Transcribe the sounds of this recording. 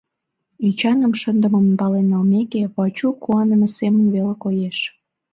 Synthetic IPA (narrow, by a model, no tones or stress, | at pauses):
yt͡ɕɑnəmʃənd̪əməmpɑlenɑlmekeβɑt͡ɕukuɑnəməsemənβelekojeʃ